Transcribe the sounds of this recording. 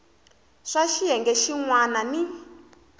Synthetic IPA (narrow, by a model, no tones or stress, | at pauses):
ʂaʃiɦɛŋɡɛʃiŋwanani